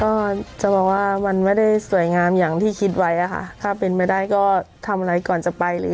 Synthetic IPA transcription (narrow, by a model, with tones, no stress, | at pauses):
kɔː˥˩t͡ɕa˨˩ʔbɔː˨˩k̚waː˥˩ma˧nma˥˩jda˥˩jsu˨˩˦əjŋaː˧mjaː˨˩ŋt̪ʰiː˥˩kʰi˦˥t̪̚wa˦˥jʔa˨˩kʰa̰˧˥˩t̪ʰaː˥˩pe˧npa˧˥˩jda˥˩jkɔː˥˩t̪ʰa˧mʔa˧ɾa˧jkɔː˨˩nt͡ɕa˨˩pa˧jlɯː˨˦